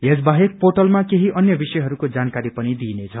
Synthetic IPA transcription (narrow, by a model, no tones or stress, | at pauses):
jed͡zbaɦek̚poʈʌlmakeɦiʔʌnjʌbisʌjɦʌɾukod͡zankaɾipʌnid̪inet͡sʰʌ